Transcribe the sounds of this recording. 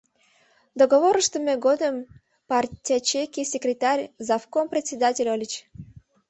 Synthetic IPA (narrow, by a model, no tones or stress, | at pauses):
d̪oɡovoɾʂt̪əmʲeɡod̪əm | partʲːat͡ɕekʲisʲɪkɾʲɪt̪arʲzafkompɾʲɪt̪ʲsʲɪd̪atʲɪlʲolʲit͡ɕ